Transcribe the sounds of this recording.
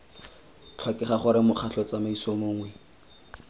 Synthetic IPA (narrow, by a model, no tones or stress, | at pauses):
t͡ɬʰwakɪχaχʊɾɪmʊq͡χʰaɬʰɔt͡samaisomoŋwɛ